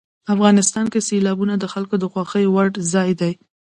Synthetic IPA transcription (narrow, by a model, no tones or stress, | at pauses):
afɣɑnɪst̪ɑnkeselɑbunad̪əxalkod̪əxwɑxəjwaɖzɑjd̪aj